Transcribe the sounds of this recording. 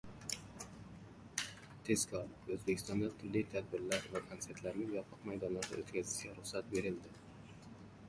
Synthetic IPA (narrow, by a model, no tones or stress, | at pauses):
t̪ʰe̞zkʰɒɾɵzbekʲʰɪst̪ɒnd̪at̪ʰʊɾlːɪt̪ʰad̪̚bɪɾlaɾvakʰont̪se̞ɾt̪laɾnɪŋjɒpʰɨqmajd̪ɒnlaɾd̪a̰o̰t̪kʲazɪʃɡʲaɾʊχsat̪̚be̞ɾɪld̪ɪ